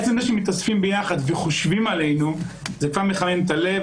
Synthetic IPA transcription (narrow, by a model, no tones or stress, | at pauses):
et͡semzaʃemit̪asfimbejaχad̪veχoʃvimale̞jnuzekvaʁmeχanent̪ale̞v